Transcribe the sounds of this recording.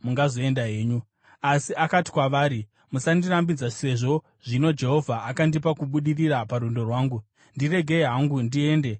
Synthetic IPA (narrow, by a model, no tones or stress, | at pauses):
muŋɡazo̞e̞ndaɦe̞ːɲu | asiʔakati̥kwaʋaːɾi | musandirambid͡zase̞ʐo̞ | ʐ̥ino̞d͡ʒe̞ɦo̞vʱaʔakandipakuɓuɗiriɾapaɾundo̞rwaːŋɡu | ndire̞ɡʱe̞iɦaŋɡundie̞ːnde̞